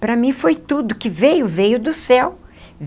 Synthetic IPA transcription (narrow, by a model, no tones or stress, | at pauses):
pɾɐmĩfojt̪ud̪ʊkɪvejʊvejʊd̪ʊsɛwv